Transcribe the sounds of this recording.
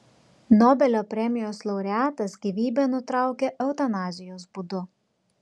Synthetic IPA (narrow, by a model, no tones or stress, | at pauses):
noːbʲɛlʲoːpʲɾʲɛmʲɪjoːslˠɒʊɾʲɛæːt̪ɐsɡʲiʋʲiːbʲɛnʊt̪ɾɑˑʊkʲɛʔɛʊt̪ɐnɑːzʲɪjoːsbʊd̪ʊ